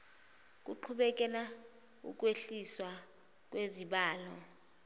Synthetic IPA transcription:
k̬ʼuǃʰuɓɛk̬ʼɛla | ṵk̬ʼweɬiswa | k̬ʼweziɓaːlɔ

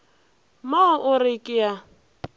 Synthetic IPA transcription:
maʊʔʊrɪkʼɪja

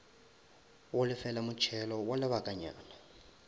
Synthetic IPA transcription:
wʊlɪfɛlamʊt͡ʃʰɛlɔwalɪβakʼaɲa̰ːna

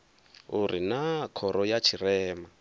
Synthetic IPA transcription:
uɾinakʰɔɾɔjat͡ʃʰirɛːma

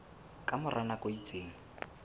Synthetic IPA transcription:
kʼamʊrʔanakoit͡sʼeːŋ̩

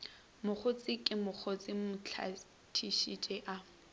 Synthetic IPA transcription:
mʊk͡xʰʊt͡sʼɪkʼɪmʊk͡xʰʊt͡sʼɪmʊt͡ɬʰa̰ | tʰiʃit͡ʃʼɛʔa

